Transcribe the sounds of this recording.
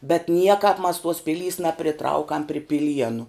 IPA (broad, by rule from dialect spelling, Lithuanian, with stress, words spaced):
bʲɛt ˈnʲiɛkɐp mɐs tuɔs ˈpʲɪlʲiːs nɐpʲrʲɪˈtrɐʊkɐm pʲrʲɪ pʲɪˈlʲiɛnʊ